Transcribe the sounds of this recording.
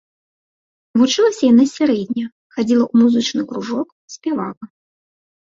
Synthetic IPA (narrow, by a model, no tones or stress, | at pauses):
vut͡ʂɨlˠɐsʲɐjanasʲaɾɛd̪ʲnʲɐ | xad͡zʲilˠɐʔumuzɨt͡ʂnɨkɾuʐɔk | sʲpʲɛvalɐ